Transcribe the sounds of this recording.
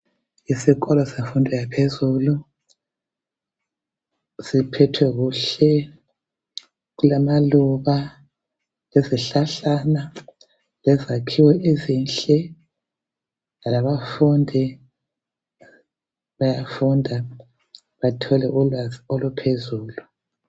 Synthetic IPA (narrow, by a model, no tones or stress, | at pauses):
isiɣɔlɔseɱfundʱɔjapʰezulu | sipʰɛtʰwɛɣuɬɛ | ɣulamaluβa | leziɬaɬana | lɛzakʰiwɛʔezinɬʼɛ | alaβafundʱi | βajafundʱa | βatʰɔlɛʔlɔlupʰezuːlu